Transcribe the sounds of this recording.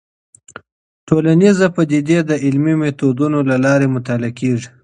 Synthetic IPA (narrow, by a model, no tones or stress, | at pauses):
ʈolanizapəd̪id̪ed̪əɪlmimet̪od̪unolalɑɾemʊt̪alakeʐi̥